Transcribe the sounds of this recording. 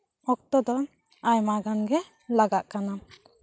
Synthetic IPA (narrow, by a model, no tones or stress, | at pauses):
ɔk̚t̪ɔd̪ɔ | ajmaɡanɡɛ | laɡaʔkana